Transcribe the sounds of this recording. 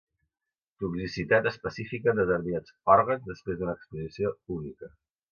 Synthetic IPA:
t̪uksisit̪at̪əspəsifikəd̪əðəɾβiat͡sɔɾɣəzðəspɾezd̪unəːkspuzisiounikə

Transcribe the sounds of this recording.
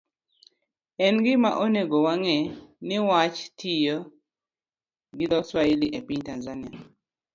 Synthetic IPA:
ɛnɡɪma̰ʔoneɡowaŋɛnɪwat͡ʃtʰijo | ɡɪd̪ɔswailiʔepiɲtanzania

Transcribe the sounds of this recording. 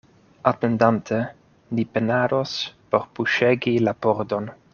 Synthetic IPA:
atendantʰe | lipenaɾospo̞ɾpuʃeɡilapoɾdon

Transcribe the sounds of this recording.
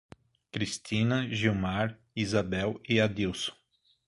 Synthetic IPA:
kɾistĩnɐʒiwmaɾ | izabɛwɪad̪iwsõ̥

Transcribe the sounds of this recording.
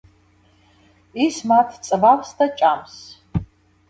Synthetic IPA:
ismat̪ʰt͡sʼvawst̪ʰɐt͡ʃʼams

